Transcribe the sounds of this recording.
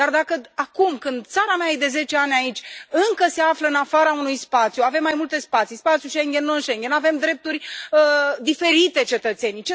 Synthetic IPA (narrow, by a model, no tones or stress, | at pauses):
d̪ard̪akəakumkɨnd̪̚t̪saɾameajed̪e̞ze̞t͡ʃe̞anʲait͡ʃʲɨŋkəse̞afləɨnafaɾaunujspat̪sjuave̞mːajmult̪e̞spat̪sispat̪sijuʃeŋɡʲe̞nːuɨnʃeŋɡʲe̞nave̞md̪ɾe̞p̚t̪urʲəd̪ife̞ɾit̪e̞t͡ʃe̞t̪ət̪se̞nijt͡ʃe